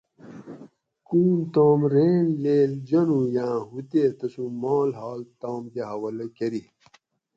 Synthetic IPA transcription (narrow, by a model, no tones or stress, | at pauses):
kuːnt̪oːmɾẽːnleːld͡ʑɐnũjãːɦut̪et̪ɐsũmoːlɦaːlt̪aːmkeɦɐwɐlɐkeɾi